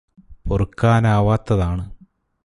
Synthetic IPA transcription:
porɨkːaːnaːʋaːt̪ːɐðaːɳɨ

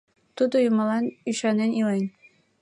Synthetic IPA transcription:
t̪ud̪ujumɑlˠɑnyɕɑnenilˠenʲ

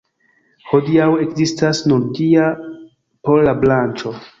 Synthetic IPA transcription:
ho̞diawe̞kzistasnuɾɡia | po̞ɾlablant͡ʃo̞

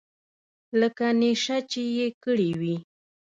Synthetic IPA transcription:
ləkaneʃat͡ʃɪjekəɽiwi

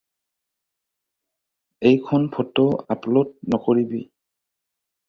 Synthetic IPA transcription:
ejkʰɔnpʰɔtɔaplɔt̚nɔkoɹibḭ

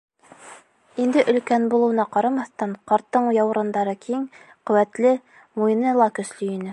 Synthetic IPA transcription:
ind̪ɘʔɵ̆lkænbulˠɤ̆wɤ̆nɑqɑɾɑmɑθt̪ɑɴqɑɾt̪ːɤɴjɑw̆ɾɤ̆nd̪ɑɾɤkʰiŋ | qɵ̆wæt̪lɘ | muj̆nɤlˠɑkɵ̆slɵinɘ

